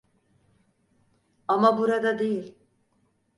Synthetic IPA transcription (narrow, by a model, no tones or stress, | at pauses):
amabuɾad̪ad̪e̞jilʲ